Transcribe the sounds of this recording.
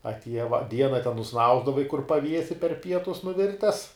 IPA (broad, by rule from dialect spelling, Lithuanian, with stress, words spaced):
ɐtʲˈiɛjɛ ʋɐ ˈdʲiɛnɐ tʲɛn nʊˈsnɐʊzdɐʋɐɪ kʊr pɐˈʋʲiɛsʲɪ pʲɛr ˈpʲiɛtʊs nʊˈʋʲɪrʲtʲɛs